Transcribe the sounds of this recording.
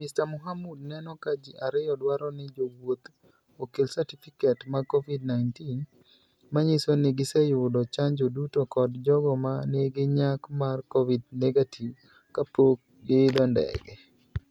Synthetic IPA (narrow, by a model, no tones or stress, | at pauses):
mɪstamʊɦamud̚nɛnɔkad͡ʒiʔaɾɪjɔdwaɾɔnɪd͡ʒowot̪ | okelsatifikɛtmakovid̚naɪntin | maɲisonɪɡɪsɛjʊdɔt͡ʃaɲd͡ʒodutokɔdd͡ʒɔɡɔmaneɡɪɲakmarkovidnɛɡatʰiv | kapok̚ | ɡɪːd̪ɔndɛ̰ɡɛ